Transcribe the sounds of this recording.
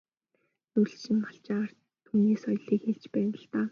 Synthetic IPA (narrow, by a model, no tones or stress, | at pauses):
nuɮt͡ɕĭnpaɬt͡ɕar̥ | t̪ʰuːneːsɔjɮiːkxeɮt͡ɕpæːnə̆ɬt̪aː